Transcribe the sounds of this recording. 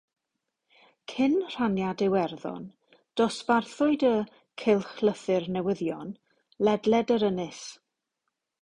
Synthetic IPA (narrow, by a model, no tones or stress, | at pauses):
kʰɪnr̥anjadɪwɛrðɔ̰n | d̥ɔsv̥arθʊɨdə | kʰɪlˠχlˠəθɨrnɛwəðjɔn | lɛdlɛdəɾənɪs